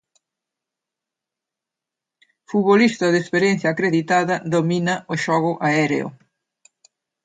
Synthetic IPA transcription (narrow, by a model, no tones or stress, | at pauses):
fuβolist̪ɐðespeɾjenθjaːkɾeðit̪aðɐðominɐʔoʃɔɣʊʔaɛɾḛo̰